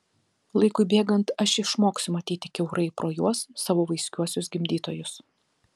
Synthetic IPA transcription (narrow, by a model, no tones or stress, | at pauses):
lˠɐɪkʊɪbʲeːɡɐnt̪ɐʃʲɪʃmoːksʲʊmɐt̪ʲiːt̪ʲɪkʲɛʊɾʔɐɪpɾoːjuɔsːɑːʋoːʋɐɪsʲkʲuɔsʲʊsɡʲɪmʲd̪ʲiːt̪oːjʊs